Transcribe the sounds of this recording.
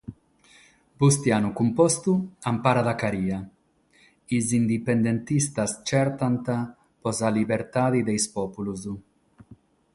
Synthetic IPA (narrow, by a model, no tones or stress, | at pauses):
bust̪janukumpɔst̪uampaɾad̪akaɾiːa | izind̪ipend̪ent̪ist̪ast͡ʃɛɾt̪ant̪a | pɔzalibeɾt̪aːðid̪ejspɔpuluz